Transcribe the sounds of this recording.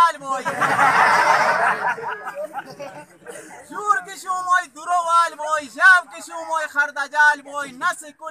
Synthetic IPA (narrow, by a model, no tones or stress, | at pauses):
lboːi | zuːɾkɪʃũːmoːid̪uɾoːʋaːlboːizaːbkɪʃũːmoːixɐɾd̪aːd͡ʒaːlboːinɐsikʊ